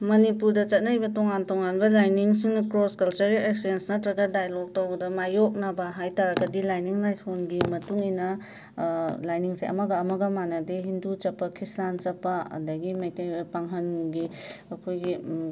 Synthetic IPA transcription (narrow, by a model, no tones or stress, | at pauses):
mɐnipuɾdɐt͡ʃɐt̚najbɐtoŋantoŋanbɐlajniŋsiŋnkɾoskɐlt͡ʃɐɾɡileksensnɐtɾɐɡɐdajlok̚towɡdɐmajok̚nabaɦajtaɾaɡɐdilajniŋlajsonɡimɐtuŋinɐ | lajniŋseʔɐ̰mɐɡɐːmɐɡɐmanɐdeɦindut͡ʃɐpːakʰisant͡ʃɐpːaɐ̰ndɐɡimajtajbɐpaŋɦɐnɡiɐkʰojɡi